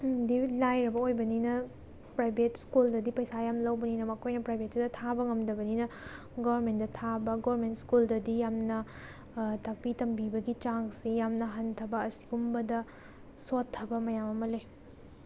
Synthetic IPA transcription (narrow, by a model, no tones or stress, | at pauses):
dilajɾɐbɐojbɐninɐ | pɾajbʱetskuldɐdipɐjsajamlɐwbɐninɐmɐkʰojnɐpɾajbʱet̚ːudɐtʰabɐŋɐmdɐbɐninɐ | ɡobɐɾmendɐtʰabɐɡoβɐɾmentskuldɐdijamnɐ | tak̚pitɐmbibɐɡit͡ʃaŋsijamnɐɦɐntʰɐbɐːsi̥ɡumbɐdɐ | sotʰːɐbɐmɐjamɐmɐle